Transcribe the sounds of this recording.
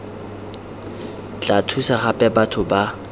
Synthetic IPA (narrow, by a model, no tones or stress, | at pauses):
t͡ɬʼatʰusaχapʼɛbatʰʊba